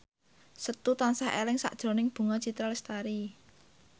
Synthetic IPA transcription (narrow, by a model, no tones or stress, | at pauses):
sət̪ut̪ansahḛlɪŋsa̰ʔd̥ʒ̥ɾo̤nɪŋb̥ṳŋɔt͡ʃit̪ɾalɛst̪aɾi